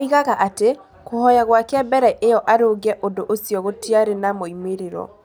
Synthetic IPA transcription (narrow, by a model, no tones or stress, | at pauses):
iɣaɣaʔate | kohɔjaɣwakeabɛɾɛʔejɔʔaɾoɡɛʔondoʔosjɔɣotiaɾenamoimeɾeɾɔ̰